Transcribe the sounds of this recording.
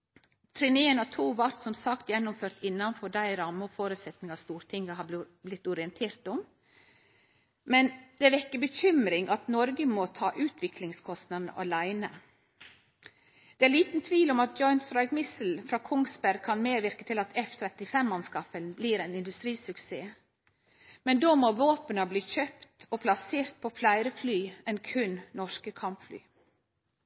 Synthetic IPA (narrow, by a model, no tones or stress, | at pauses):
t̪ʰɾɪneːnɑt̪ʰuːʋɑɾt̪sɔmsɑkt̪jɛnːʊmføːɾt̪ɪnːɑnfɔɖæɪɾɑmːəɔfoːɾʉːt̪sɛt̪nɪŋɑst̪uːɾt̪ʰɪŋːəɦɑb | blɪt̪ːʊɾɪɛnt̪ʰeːɾt̪ɔm | mɛnd̪̥ɛʋɛkːəbəçʏmɾɪŋʔɑt̪nɔɾɡəmot̪ʰɑːʔʉːt̪ʰʋɪklɪŋskʰɔst̪nɑd̪nə̰ʔɑ̰læɪnə | d̪̥ɛæliːt̪n̩t̪ʰʋiːlɔmɑt̪̚d͡ʒɔʏnsɾɑɪɡmɪsl̩fɾɑːkʰʊŋsbæɾɡ̚kʰɑnmeːʋɪɾkət̪ʰɪlɑt̪ʰɛft̪ʰɾɛt̪ɪfɛmːɑnskɑfəlnbliːɾɛɪnɪnd̪ʉst̪ɾiːsʉkseː | mɛnd̪oːmoːʋoːpənɑbliːçøpt̪ɔpʰlɑseːɾt̪̚pʰɔflæɪɾəflyːɛnkʰʉnnɔʂkəkʰɑmpfly̰ː